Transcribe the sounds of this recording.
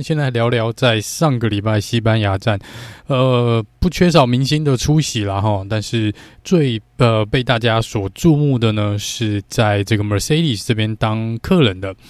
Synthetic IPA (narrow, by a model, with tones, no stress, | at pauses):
nɕjɛ˥˧nt͡sa˥˩ɪljɑ˧˥ʊljɑ˧˥ʊt͡sa˥˧ɪʂɑ˥˩ŋɡə˨˩li˨˩pa˥˩ɪɕi˥pa˦nja˧˥ʈ͡ʂa˥˩nə˧˩pu˥˩t͡ɕʰɥɛ˥ʂ̬ɑ˨˩ʊmi˧˥ŋɕi˥nd̪ə˨ʈ͡ʂʰu˥ɕi˨˩la˨xɔ˥˩t̪a˥˧nʂɻ̩˥˧t͡swe˥˧ɪə˧pe˥˧ɪt̪a˥˩t͡ɕja˥swɔ˨˩ʈ͡ʂu˥˧mu˥˩d̪ə˩nə˩ʂɻ̩˥˧t͡sa˥˩ɪʈ͡ʂɤ˥˩ɡə˩mə˨˩se˥ɪɾi˥˩sʈ͡ʂɤ˥˧pjɛ˥nt̪ɑ˥ŋkʰɤ˥˩lə˧˥nd̪ə˧